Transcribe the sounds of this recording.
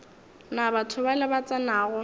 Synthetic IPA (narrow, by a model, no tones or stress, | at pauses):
nabatʰʊbalɛbat͡sʼanaːɣʊ